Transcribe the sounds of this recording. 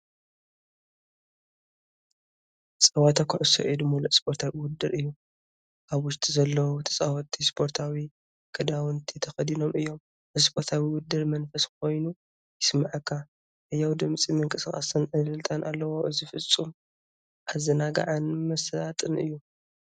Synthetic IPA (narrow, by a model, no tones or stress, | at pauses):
sʼawat̪ʰakʰʊʕɨso̰ʔid̪umuluʔspʰo̞ɾt̪ʰawiwʊd̪ːɨɾɨjːu | ʔaβwʊʃt̪ʼizɐlːɐwut̪ʰɐ̥sʼawɐt̪ʰːispʰo̞ɾt̪ʰawi | kʰɨd̪awɨnt̪ʰit̪ʰɐxɐd̪ino̞mɨjːo̞m | ɨzspʰo̞ɾt̪ʰawiwʊd̪ɨɾmɐnfɐskʰo̞jnu | jɪsmaʕakʰːa | ʔɐjːawd̪ɨmt͡sʼimɨŋkʼɨsɨkʼa̰sɨnʔɨlɨlt̪ʼanʔalːɐwoʔɨzifɨt͡sʼːum | ʔazɐnaɡa̰ʕanmɐslat̪ʼɨnɨjːu